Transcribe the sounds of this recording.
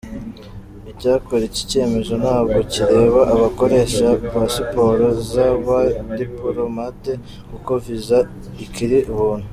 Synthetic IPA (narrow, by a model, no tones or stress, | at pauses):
icaːkoɾet͡ʃi̥ce̞ːme̞zo̞nhaːβɡo̞ciɾe̞ːβaʔaβako̞ɾe̞ʃaβasipo̞ɾozaβadipoɾomate | kukoviza | ikʰiɾiʔuβuːn̥hu